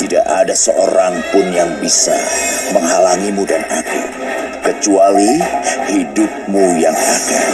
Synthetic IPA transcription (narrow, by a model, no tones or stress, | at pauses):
t̪ida̰ʔadasəʔo̰ɾaŋpʊnjaŋbisa̰məŋɦalaŋimudanakṵ | kət͡ʃualihidʊp̚mujaŋada̰